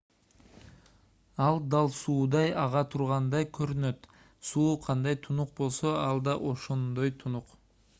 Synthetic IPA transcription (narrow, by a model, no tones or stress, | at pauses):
ɑlˠd̪ɑlˠsuːd̪ɑjɑʁɑt̪ʰuɾʁɑnd̪ɑjkʰøɾynø̞t̪ | suːqʰɑnd̪ɑjt̪ʰunuq̚bo̞lˠso̞ɑlˠd̪ɑʔo̞ʃond̪o̞jt̪ʰunuq